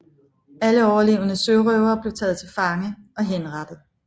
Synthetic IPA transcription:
æləɒʊɐle̝̰ːʊənəsøʊʁœʊɐb̥le̝ʊt͡sʰɛ̰ːð̩ˠt͡sʰe̝lfɑ̈ŋəɒ̽ɦenʁɑd̥ð̩ˠ

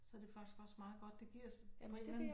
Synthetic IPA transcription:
sɒd̥e̝fɑ̈ɡ̥i̥sɡ̥ɒ̽smɑ̈ːð̞̩ˠɡ̥ɒ̽d̥ːe̝ɡ̥iɐ̰spʰɒelæ

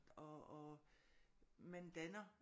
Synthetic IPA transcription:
d̥ɒɒ | mænd̥ænɐ

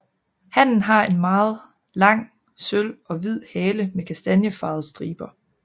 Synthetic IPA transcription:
hæn̰n̩ɦɑ̈e̝nmɑ̈ːð̞̩ˠ | lɑ̈ŋ̰ | sølɒ̽ʋið̰ˠhɛːləmekʰæsd̥ænjəfɑ̈ð̞̩ˠsd̥ʁḭːb̥ɐ

